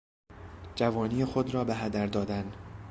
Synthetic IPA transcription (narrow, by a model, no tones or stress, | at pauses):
d͡ʒævɒːniːjexod̪ɾɒːbeɦæd̪æɾd̪ɒːd̪æn